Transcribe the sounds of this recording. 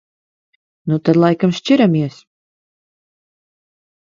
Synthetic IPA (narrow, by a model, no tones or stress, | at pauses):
nut̪ad̪lˠajkamʃt͡ʃiɾamʲiɛs